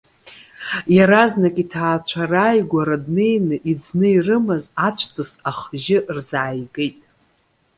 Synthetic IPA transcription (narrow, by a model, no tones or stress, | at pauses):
jaɾaznakʼitʰaːt͡ʃʷʰarajɡʷaɾadne̞jnɨʔid͡znɨirɨmazat͡ʃʷʰt͡sʰʼɨsaχʒɪrzaːjɡejtʼ